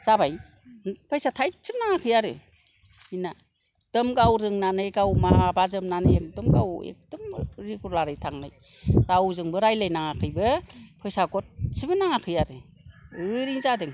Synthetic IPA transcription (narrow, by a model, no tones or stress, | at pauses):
z̥abaj | pʰɯjsatʰajsibnaŋakʰɯjaɾɯ̰ | ina | d̥ɯmɡawɾɯŋnanɯjɡawmabazɯmnanɯjekdɔmɡawḛk̚d̥ɔmɾikʰuɾlaɾɯjtʰaŋlaj | ɾawzɯŋbɯɾajlajnaŋakʰɯjbɯpʰɯjsaɡɔt̚sibɯnaŋakʰɯjaɾɯ | ɯɾiŋzadɯŋ